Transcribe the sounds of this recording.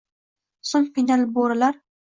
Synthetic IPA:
sʊmfinalboɾalaɾ

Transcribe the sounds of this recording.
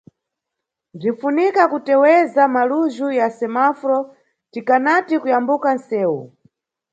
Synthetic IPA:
b͡ʐinfunikakutɛwɛzamaluʒujasɛmafɾɔ | tikanatikujambukansɛːwu

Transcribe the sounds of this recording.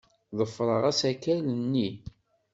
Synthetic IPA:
ðˤəfːɾˤəʁæsækːælənːi

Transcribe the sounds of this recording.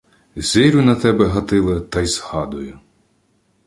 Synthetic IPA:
zʲɪɾʲʊnɐt̪ɛbɛɦɐt̪ɪlˠɪt̪ɐjzhɑd̪ʊjʊ

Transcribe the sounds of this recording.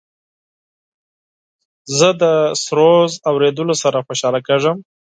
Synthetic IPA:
zəd̪əsɾozawɾed̪əlosaɾaxoʃɑlakeʐəm

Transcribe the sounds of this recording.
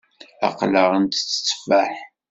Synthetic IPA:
ɑ̰qləʁənt̪t͡sːə̥t͡sːfaħ

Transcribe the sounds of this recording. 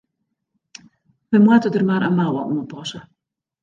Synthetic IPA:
ʋəmwətədərmaːrʔə̰nmawɔ̰nuənpɔsə

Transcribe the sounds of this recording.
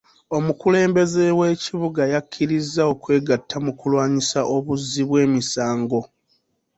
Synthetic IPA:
o̞mukule̞ːmbe̞ze̞we̞ːciβuɡajakʰːiɾizːao̞kwe̞ːɡatʰːamukulwaːɲisaʔo̞βuzːiβwe̞ːmisaːŋɡo̞

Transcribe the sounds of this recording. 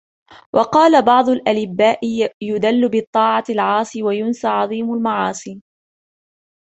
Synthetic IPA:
wʔɑqɑːlabɑʕd̪ˤʊlʔalɪbːaːʔɪjʊd̪alːʊbɨt̪ˤːɑːʕɑlʕɑːsˤiwajʊnsaʕɑðˤiːmʊlmɑʕɑːsˤiː

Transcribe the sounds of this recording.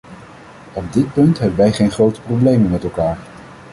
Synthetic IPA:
ɔb̚dɪt̚pɵntɦɛbənʋɛjχejnχrowtə̥prowblejmənmɛtɛlˠkaːɹ

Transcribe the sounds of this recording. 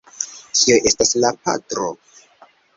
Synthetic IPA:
kiojʔe̞staslapa̰tɾo

